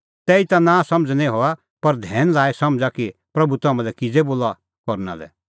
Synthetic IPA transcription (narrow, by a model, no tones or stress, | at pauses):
t̪ɛːit̪anãːsɐ̃md͡znɛ̃ɦoa | pɐɾd̪ʱɛːnlaːesɐmd͡zakipɾɐbʱut̪ɐːmãlɛkɪd͡zeboːla | kɔɾna̰lɛ̰